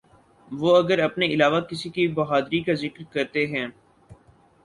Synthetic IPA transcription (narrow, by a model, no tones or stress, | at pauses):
ʋoːɐɡəɾɐpneɪlaːʋakɪsikibɐɦaːd̪ɾikazɪkɾkɐɾt̪eɦɛ̃ː